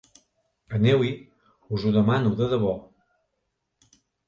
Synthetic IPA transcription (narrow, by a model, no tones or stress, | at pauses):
ənewi | uzuðəmanuðəðəβɔ